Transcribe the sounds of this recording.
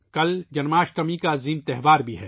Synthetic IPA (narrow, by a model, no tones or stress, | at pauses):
kɐld͡ʒɐnmaːʃʈɐmikaziːmt̪ɛɦʋaːɾbʱiɦɛ̰ː